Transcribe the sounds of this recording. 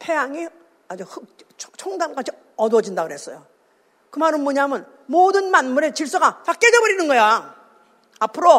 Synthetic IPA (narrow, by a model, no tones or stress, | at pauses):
pʰe̞jaŋi | ad͡ʑoɯt͡ɕʰoŋdank͈at͡ɕʰi | ʌdwʌd͡ʑindaɡɯɾɦes͈ʌjo | kɯmaɾɯnmoɲaɦmɯn | modɯnmanmuɾe̞t͡ɕiɭs͈ʌɡat͡ɕak͈e̞d͡ʑʌbʌɾinɯnɡʌja | apʰɯɾo